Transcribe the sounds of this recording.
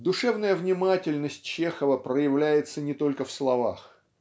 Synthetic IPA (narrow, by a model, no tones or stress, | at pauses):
d̪ʊʂɛvnəjəvnʲɪmatʲɪlʲnəsʲtʲt͡ɕexəvəpɾəjɪvlʲæjɪt̪sənʲɪt̪o̞lʲkəfslˠɐvax